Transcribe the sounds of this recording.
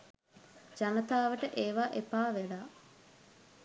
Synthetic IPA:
d͡ʒanət̪aːʋəʈəʔeːʋaʔepaːʋelaː

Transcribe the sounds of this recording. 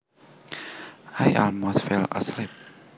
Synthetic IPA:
ajʔɔ̰lmosfɛlə̰slip̚

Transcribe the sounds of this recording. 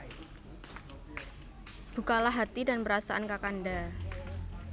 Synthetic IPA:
b̥ṳkalaɦat̪idanpəɾasaʔankakanda

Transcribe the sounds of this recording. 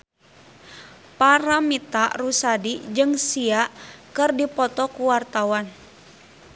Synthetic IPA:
paɾamit̪arusadid͡ʒɨŋsiaʔkɨrdipɔt̪ɔkuwart̪awan

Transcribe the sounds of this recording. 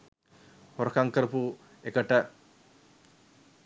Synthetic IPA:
hoɾkaŋkɐɾpu | ekːɐʈːɐ

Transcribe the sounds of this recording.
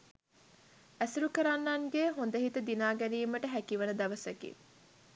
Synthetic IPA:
æsiɾukəɾanːaŋɡeɦond̪əɦit̪əd̪inaːɡæniːməʈəɦækiʋɐnəd̪ɐʋəsɐkḭ

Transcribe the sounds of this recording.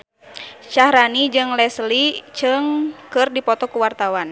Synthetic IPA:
ʃahɾanid͡ʒɨŋlɛslit͡ʃɨŋkɨrdipɔt̪ɔkuwart̪awan

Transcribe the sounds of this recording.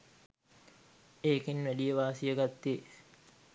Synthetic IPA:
eːkinʋæɖijəʋaːsijəɡat̪ːe

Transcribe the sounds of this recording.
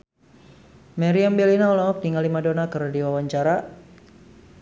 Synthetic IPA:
maɾiambelinaɔlɔɔk̚diŋalimadonakərdiwawaɲt͡ʃaɾa

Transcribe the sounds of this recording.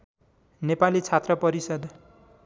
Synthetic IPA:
nepalit͡sʰat̪rʌpʌɾisʌd̪

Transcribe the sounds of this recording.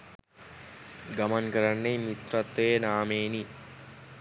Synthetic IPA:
ɡamankəɾanːejmit̪rat̪ːejənaːmeːni

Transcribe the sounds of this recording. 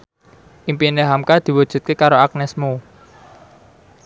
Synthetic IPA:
ʔimpineɦamkad̪̥i̤wud̥ʒ̥ṳt̪̚kekaɾoak̚nɛsmo

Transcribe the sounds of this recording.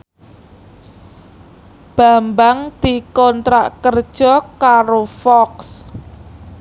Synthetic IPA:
b̥a̤mbaŋd̪̥i̤kɔnt̪ɾaʔkərd̥ʒ̥ɔ̤kaɾofɔks

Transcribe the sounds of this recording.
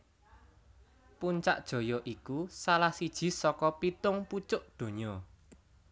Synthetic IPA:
puɲt͡ʃa̰ʔd̥ʒ̥o̤ɔ̤jɔʔikusalahsid̥ʒ̥i̤sɔkɔpit̪ʊŋput͡ʃʊʔd̪̥o̤ɲɔ

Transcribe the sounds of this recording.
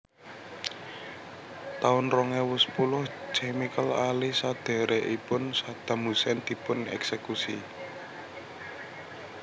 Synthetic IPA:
t̪aʊnrɔŋɛwʊspulʊhd͡ʒ̥ɛmikəlalisad̪̥e̤ɾeʔipʊnsad̪̥a̤musɛnd̪̥i̤pʊnɛ̰ksekusi

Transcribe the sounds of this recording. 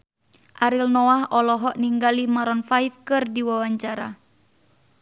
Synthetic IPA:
ʔaɾilnɔahɔlɔɦɔʔniŋɡalimaɾɔnfajfkɨrdiwawaɲt͡ʃaɾa̰

